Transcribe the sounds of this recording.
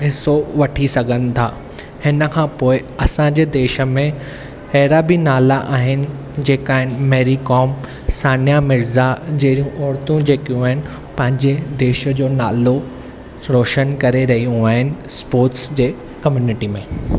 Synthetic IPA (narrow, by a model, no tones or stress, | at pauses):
ɦɪsoʋɐʈʰisɐɡʱənɪ̆t̪ʰaː | hɪnəkʰãːpoːɪ | ɐsãd͡ʑeːd̪eːʃə̆mẽ | hɛːɾabinaːlaʔaːɦɪnɪ̆ | d͡ʑeːkaːɦɪnɪ̆mɛːɾikɔːm | saːnjamɪɾzad͡ʑɐɦɽiũʔɔːɾt̪ũd͡ʑeːkijũaːɦɪnɪ̆ | pɐ̃ɦɪ̃ɲd͡ʑed̪eːʃə̆d͡ʑoːnaːlo | ɾoːʃənkɐɾeɾɐɦijũaːɦɪnɪ̆spoːɾʈsd͡ʑeː | kɐmjuːnɪʈimẽː